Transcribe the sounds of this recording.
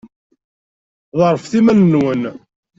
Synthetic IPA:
ðˤəɾˤfθimænːwən

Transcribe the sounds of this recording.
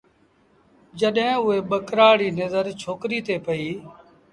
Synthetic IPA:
d͡ʒəɗɦẽːʊeːɓəkɾaːɽiːnəzəɾt͡ʃʰoːkɾiːt̪eːpəiː

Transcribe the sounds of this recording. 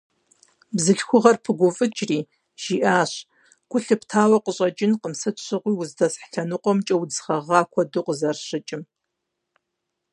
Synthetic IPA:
bzɨɬxʷʊʁɐrpʰɨɡʷʊfʼɨt͡ʃʼriː | ʒ̥iʔaːɕ | ɡʷʰʼʊɬɨptʰaːwɐqəɕʼɐd͡ʒʼɪnqəmsɨtɕʷʰɨʁʷiːwʊzdɐsħɬɐnɨqʷɔmt͡ʃʼɐwd͡zχɐʁɑːkʷʰɔduqəzɐrɕɪt͡ʃʼɪm

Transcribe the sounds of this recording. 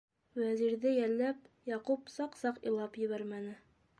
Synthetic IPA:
wæziɾðɘjælːæp̚jɑqupsɑqsɑqḭ̆lˠɑpjɘ̆βæɾmænɘ

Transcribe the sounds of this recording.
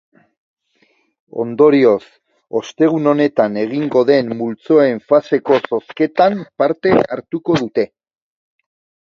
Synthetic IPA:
o̞̰nd̪o̞ɾio̞s | o̞st̪e̞ɣ̞uno̞ne̞t̪ane̞ɣ̞iŋɡo̞ðe̞mːult͡so̞e̞ɱfase̞ko̞so̞ske̞t̪ampaɾt̪e̞aɾt̪uko̞ð̞ut̪e̞

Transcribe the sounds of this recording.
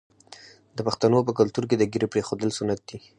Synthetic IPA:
d̪əpaxt̪anop̬ək̬alt̪uɾk̬ed̪əɡiɾepɾexod̪əlsunat̪̚d̪i

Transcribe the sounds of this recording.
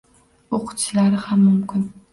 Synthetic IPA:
oqʰʊ̥t͡ʃʰɪlaɾɪhamːʊmkʰʲɪn

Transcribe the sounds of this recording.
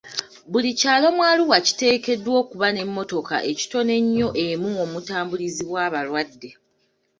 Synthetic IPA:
bulicaːlo̞mwaːluwaci̥te̞ːke̞dwo̞ːkuβane̞mːo̞to̞ka̰ʔe̞ci̥to̞ne̞ɲːo̞ʔe̞muomutaːmbuliziβwaːβalwadːe̞

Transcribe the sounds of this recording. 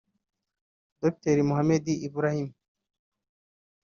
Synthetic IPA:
d̪op̚t̪eɾimuɦamed̪iʔibɾahim

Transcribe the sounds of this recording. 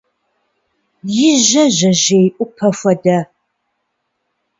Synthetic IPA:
jɪʒɐʑɐʑejʔʷʼʊpʰɐfʷɐdɐ

